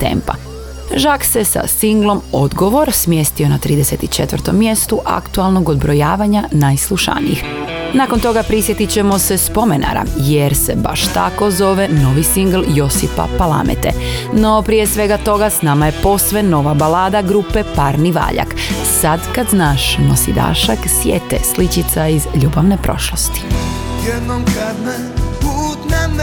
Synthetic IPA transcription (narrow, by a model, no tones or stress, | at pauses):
t̪ḛmpa̰ | ʒakse̞sa̰siŋɡlˠo̞mo̞d̪ɡo̞ʋo̞ɾsmje̞st̪io̞nat̪ɾiːd̪eset̪it͡ʃe̞t̪ʋəɾt̪o̞̰mːje̞st̪uʔa̰kt̪ualˠno̞ɡod̪bɾo̞jaːʋaɲanajslˠuʃa̰nḭjix | naːko̞nt̪o̞ɡapɾisje̞t̪it͡ɕe̞mo̞se̞spo̞mena̰ɾa̰jeɾse̞ba̰ʃt̪a̰ko̞zo̞ʋe̞no̞ʋisiŋɡl̩ˠjo̞sipa̰palˠa̰mḛt̪ḛ | no̞pɾijesʋe̞ɡat̪o̞ɡasnaːmaje̞po̞sʋeno̞ʋabalaːd̪aɡɾupe̞paɾniʋa̰ːʎa̰k | sad̪kad̪znaːʃnosid̪a̰ːʃaksjḛːt̪ḛslit͡ɕit̪saizʎuːbaʋnepɾo̞̰ʃlost̪i̥ | jɛd̪nomkad̪n | put̪na